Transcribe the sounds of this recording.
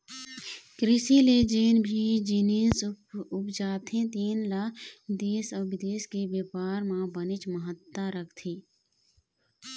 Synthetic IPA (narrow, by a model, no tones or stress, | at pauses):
kɾɪsiled͡ʒeːnbʱid͡ʒiːniːsʊpd͡ʒaːt̪ẽt̪iːnlad̪eːsɔːbɪd̪eːskebjepaːɾmãbənɪt͡ʃməɦət̪ːaɾəkʰt̪ʰiː